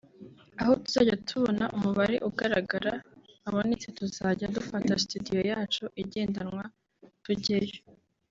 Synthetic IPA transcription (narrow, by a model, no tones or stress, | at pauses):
ahotuz̥a̰ːɟatʰuβonaʔumuβaɾḛʔuɡaɾaɡaɾaːβo̞net͡se̞tuzaɟadufatastudijo̞jaːt͡ʃoʔiɟe̞ːndanŋwa | tuɟejo̥